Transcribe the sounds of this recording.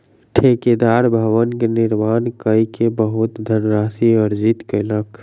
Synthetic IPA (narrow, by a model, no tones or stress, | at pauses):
ʈʰeːked̪aːɾbʱɐʋənkenɪɾmaːnkəikebəɦʊt̪d̪ʱənɾaːsiɐɾd͡ʒɪt̪kelək